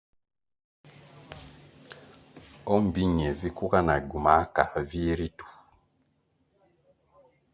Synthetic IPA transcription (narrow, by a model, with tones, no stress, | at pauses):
ɔ˦m̩˨bi˦ɲɛ˨vi˦ku˦ka˦na˨ɟu˨ma˨˦ka˨vi˦ɾi˦tu̥˨